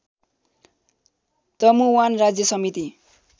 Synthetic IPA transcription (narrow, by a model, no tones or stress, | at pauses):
t̪ʌmuwanrad͡zjʌsʌmit̪i